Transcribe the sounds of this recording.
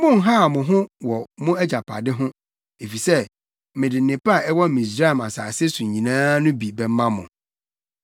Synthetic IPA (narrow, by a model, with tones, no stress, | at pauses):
mʊ̃˦˨ŋ˦ɦa˦˨mʊ̃˨ɦʊ̃˦wɔ˨mʊ̃˦æ˦d͡ʑa˨pʰa̰˨dɪ˦ɦʊ̃˦ | e˨fi˨sɛ˦ | mɪ̃˨dɪ˨n˨ɪ̃˨pa˦˨ɛ˦wɔ˦mĩ˨s̬ɾa˦ɛ˨ma˨saː˨sɪ˦sũ˨ɲ˨ɲĩ˨nãː˦nʊ̃˦bi˨bɛ˨m˦mã˦mʊ̃˨